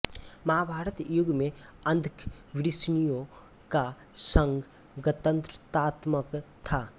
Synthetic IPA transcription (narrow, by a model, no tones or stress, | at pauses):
mɐɦabʱaːɾət̪jʊɡmẽɐ̃nd̪ʱkʰ | ʋɪɾɪsnijõ | ka | sə̃ŋɡ | ɡət̪ə̃nt̪ɾət̪aːt̪məkt̪ʰaː